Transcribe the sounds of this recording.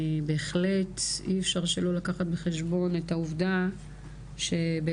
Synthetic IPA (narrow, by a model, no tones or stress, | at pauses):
be̞eχle̞tiefʃaʁʃelo̞lakaχat̚beχeʃbo̞netauvda | ʃe̞be